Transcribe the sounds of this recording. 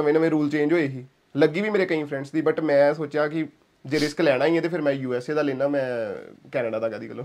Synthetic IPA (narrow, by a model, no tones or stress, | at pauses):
əʋẽːnəʋẽːɾuːlt͡ʃẽːɲd͡ʒɦoːeːɦiː | ləɡiːʋiːmeːɾeːkəĩːpʰɾɛ̃ɳɖsd̪iːbəʈmɛ̃ːsoːt͡ʃjaːkɪ | d͡ʒeːɾɪsklɛːɽ̃aːĩːɛ̃t̪eːpʰɪɾmɛ̃ːjuːɛːseːd̪aːleːnaːmɛ̃ːkɛːnəɖaːd̪aːɡəːd̪iːkəlːoː